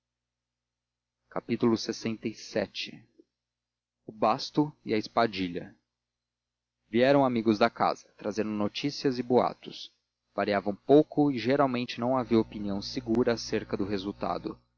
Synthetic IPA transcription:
kapit̪ʊlʊsesẽnt̪ejsɛt͡ʃɪ | ʊbast̪ʊɪɐɪspad͡ʒiʎɐ̰ | viɛɾɐ̃w̃amiɡʊzd̪ɐka̰z̥ɐt̪ɾazẽnd̪ʊnot͡ʃisiɐzɪboa̰t̪ʊs | v̥aɾiavɐ̃w̃powkʊɪʒeɾawmẽnt͡ʃɪnɐ̃w̃aviɐopiniɐ̃w̃seɡuɾɐːseɾkɐd̪ʊɦezuwt̪a̰d̪ʊ

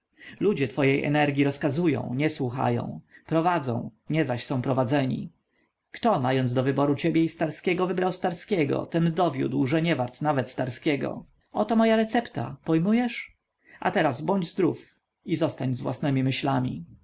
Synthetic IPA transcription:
lud͡ʑɛt̪fɔjejʔɛ̰nɛɾɡʲjiɾɔskazujɔ̰̃w̃ɲɛswuxa̰jɔ̰̃w̃pɾɔvad̪zɔ̰̃w̃ɲɛzaɕsɔ̃w̃pɾɔvad̪zɛɲḭ | kt̪ɔmajɔnzd̪ɔvɘbɔɾut͡ɕebʲjɛist̪aɾskʲɛɡɔvɘbɾawst̪aɾskʲɛɡɔ̰t̪ɛnd̪ɔvʲjṵd̪wʐɛɲɛvaɾt̪navɛt̪st̪aɾskʲɛɡɔ̰ | ɔt̪ɔmɔjaɾɛt̪sɛpt̪a̰pɔjmujɛʂ | ʔa̰t̪ɛɾazbɔɲd͡ʑzd̪ɾuf | izɔst̪aɲzvwa̰snɛmʲimɘɕlamʲḭ

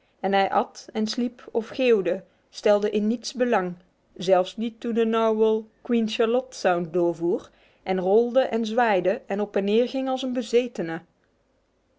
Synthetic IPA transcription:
ɛnɦɛjʔɑtɛnslipʰɔfχeːwdə | stɛlˠdəʔɪnːitsbəlɑŋ | zɛlˠfsnitundənawwəlˠkwinʃaɹlɔtsawndʊːɹvuːr | ʔɛnrɔlˠdəʔɛnzʋaːjdəʔɛnɔpɛnːɪːɹɣɪŋɑlˠsənbəzejtənə

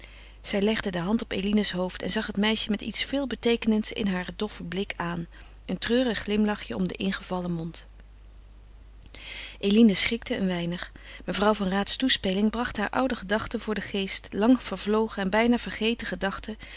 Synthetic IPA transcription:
z̥ɛjlɛχdədəɦɑntɔpḛjlinəsɦowftɛ̰nzɑχɦətmɛjʃəmɛtḭtsfɪːlˠbətejkənəntsɪ̰nɦaːɹdɔfəblɪkaːn | əntrøːrəχːlɪmlɑχjəɔmdə̰ʔɪnχəv̥ɑləmɔnt | ʔelinəsχɪk̚təə̰nʋɛjnəχ | məvrɑwvɑnraːtstuspelɪŋbrɑχtɦaːɹʔʌ̰wdəχədɑχtəvʊːɹdəχejstlɑŋv̥əɹvlowχəɛnbɛjnaːv̥əɹχejtəχədɑχtə

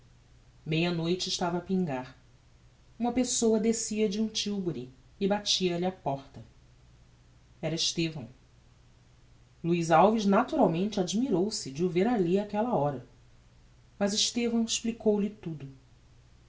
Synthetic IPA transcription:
mejɐnojt͡ʃɪːʃt̪avɐːpĩŋɡaɾ | ũmɐpesowɐd̪esiɐd͡ʒɪũt͡ʃiwbʊɾiː | bat͡ʃiɐlapɔχt̪ɐ | ɛɾɐɪʃt̪evɐ̰̃w̃ | luizawviznat̪uɾawmẽnt͡ʃɪad͡ʒimiɾowsɪd͡ʒɪuveɾaliakɛlɐɔɾɐ | mɐzɪʃt̪evɐ̃w̃ɪʃplikowlɪt̪ud̪ʊ

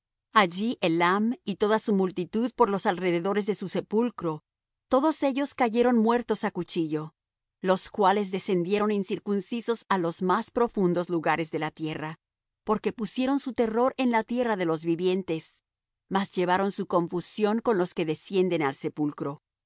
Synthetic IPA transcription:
aʝiʔelamit̪o̞ðasumult̪it̪uðpo̞ɾlosalre̞ðe̞ðo̞ɾe̞zðe̞suse̞pulkɾo | t̪o̞ðo̞se̞ʝo̞skaʝe̞ɾo̞nmwe̞ɾt̪o̞sakut͡ʃiʝo̞ | lo̞skwale̞zðe̞se̞nd̪je̞ɾo̞ninsiɾkunsiso̞salo̞zmaspɾo̞fund̪o̞zluɣaɾe̞zðe̞lat̪je̞ra | po̞ɾke̞pusje̞ɾo̞nsut̪e̞ro̞ɾe̞nlat̪je̞raðe̞lo̞zβiβje̞nt̪e̞s | mazʝe̞β̞aɾo̞nsuko̞ɱfusjo̞ŋko̞nlo̞ske̞ðe̞sje̞nd̪e̞nalse̞pulkɾo̞

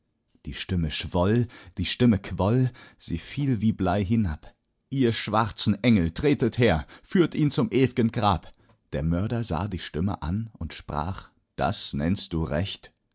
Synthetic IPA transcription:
d̥iːʃtɪməʃv̥ɔld̥iːʃtɪməkʰv̥ɔlz̥iːfiːlviːblaɪɦɪnap | ʔiːɐʃv̥aʁt͡sn̩ʔɛŋl̩tʁ̥eːtətheːɐfyːɐtʔiːnt͡sʊmʔeːviɡənɡʁaːp | d̥eːɐmœɐɾɐza̰ːdiːʃtɪmə̰ʔa̰nʊntʃpʁ̥a̰ːχ | d̥a̰snɛnst̚d̥uːʁɛçt

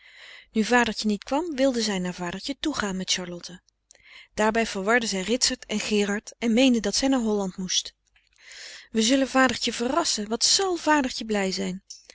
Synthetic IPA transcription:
nyvaːdəɹcənitkʋɑmʋɪlˠdəzɛjnaːɹvaːdəɹcətuχaːnmɛtʃɑɹlɔtə | d̥aːɹbɛjv̥əɹʋɑɹdəzɛjrɪtsəɹtɛnχɪːrɑɹtɛnmejndədɑtsɛjnaːɹɦɔlɑntmust | ʋəzɵləvaːdəɹcəvərɑsəʋɑntsɑlˠv̥aːdəɹcəblɛjzɛjn

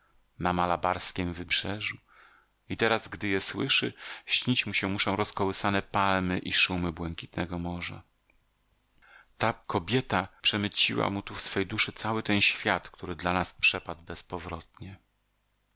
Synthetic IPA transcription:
namalabaɾskʲɛmvɘbʐ̥ɛʐu | it̪ɛɾazɡd̪ɘjɛswɘʂɘ̰ɕɲit͡ɕmuɕɛmuʂɔ̃w̃ɾɔskɔwɘsanɛpalmɘʔiʂumɘbwɛŋkʲit̪nɛɡɔmɔʐa̰ | t̪akɔbʲjɛt̪apʂɛmɘt͡ɕiwa̰mut̪ufsfɛjd̪uʂɘt̪sawɘt̪ɛnɕfʲjat̪kt̪ʰuɾɘd̪lanaspʂɛpad̪̚bɛspɔvɾɔt̪̚ɲɛ

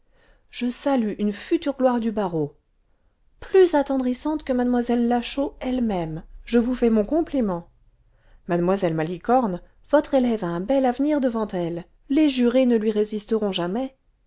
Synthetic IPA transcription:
ʒ̥əsalyʔynfyt̪yʁɡlwaʁd̪ybaʁo | plyzat̪ɑ̃d̪ʁisɑ̃t̪kəmad̪mwazɛlːaʃoɛlmɛmʒəvufɛmɔ̃kɔ̃plimɑ̃ | mad̪mwazɛlmalikɔʁn | vɔt̪χelɛvaɛ̃bɛlavniʁd̪əvɑ̃t̪ɛlː | eʒyʁenəlɥiʁezist̪əʁɔ̃ʒamɛ

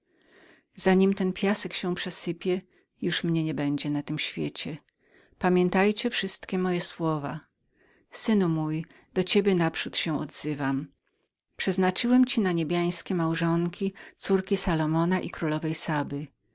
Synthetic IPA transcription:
z̥aɲimt̪ɛnpʲjasɛkɕɛ̃pʂɛsɘpʲjɛ | juʂmɲɛɲɛbɛɲd͡ʑɛnat̪ɘmɕfʲjet͡ɕɛ | pamʲjɛnt̪ajt͡ɕɛfʂɘst̪kʲɛmɔjɛswɔva̰ | sɘnumuj | d̪̥ɔt͡ɕebʲjɛnapʂut̪ɕɛ̃ɔ̰d̪zɘvam | pʂɛznat͡ʂɘwɛmt͡ɕinaɲebʲjaj̃skʲɛmawʐɔŋkʲit̪suɾkʲisalɔmɔnaʔikɾulɔvɛjsabɘ

